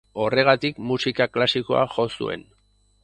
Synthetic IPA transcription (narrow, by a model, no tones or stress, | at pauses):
o̞re̞ɣ̞at̪ikmusikaklasiko̞̰a̰ʝo̞sṵe̞̰n